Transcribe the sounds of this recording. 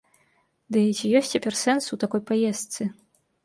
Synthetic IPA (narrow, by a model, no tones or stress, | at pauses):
d̪ɨt͡sʲijɔsʲt͡sʲapʲɛrsɛnsut̪akɔjpajɛst̪sɨ